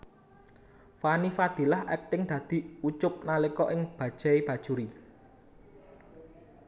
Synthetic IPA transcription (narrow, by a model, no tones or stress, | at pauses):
fanifad̪̥i̤lahʔɛk̚t̪ɪŋd̪̥ä̤d̪̥i̤ut͡ʃʊp̚nalekɔʔɪŋb̥ä̤d̥ʒ̥a̤eb̥ä̤d̥ʒ̥uɾi